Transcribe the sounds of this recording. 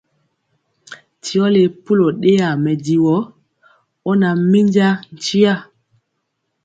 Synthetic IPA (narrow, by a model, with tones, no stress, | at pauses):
ti˨ɔ˦le˨pu˦lo˨ɗe˦a˨mɛ˨di˨wɔ˨˦ | ɔ˦na˨mi˦ɲd͡ʒa˦n̩˨t͡ʃi˦a˦˨